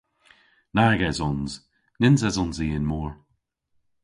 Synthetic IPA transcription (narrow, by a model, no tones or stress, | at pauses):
naɹɡɛzɔnz̥ | nɪnzɛzɔnziːɪnmɔːɹ